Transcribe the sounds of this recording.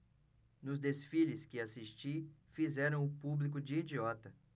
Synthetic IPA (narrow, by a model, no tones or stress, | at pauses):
nʊzd̪esfiʎɪskɪasiʃt͡ʃifizɛɾɐ̃w̃ʊpublik̬ʊd͡ʒɪid͡ʒiɔt̪ɐ